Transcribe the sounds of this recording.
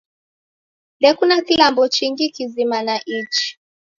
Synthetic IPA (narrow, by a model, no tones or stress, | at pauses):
ndɛkunakilambɔt͡ʃiŋɡikizimanaʔit͡ʃi̥